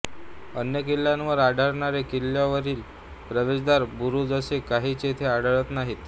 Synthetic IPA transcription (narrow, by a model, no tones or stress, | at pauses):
ənjək̬ilːjãnʋəɾaɽʱaɽɳaɾekilːjaʋəɾiːl | pɾəʋesd̪aɾbuɾud͡zəsekaɦiːt͡ɕet̪ʰeaɽʱəɭət̪naɦit̪